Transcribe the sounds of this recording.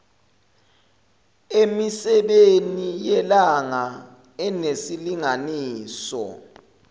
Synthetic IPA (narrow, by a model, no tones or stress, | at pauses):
emisɛɓenijɛlaŋa | ɛnesiliŋaniːsɔ̰